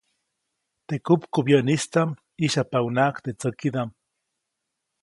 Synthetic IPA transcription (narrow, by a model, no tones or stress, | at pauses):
t̪ekupkobjəʔnist̪am | iʃapaunaʔkt̪et͡səkid̪am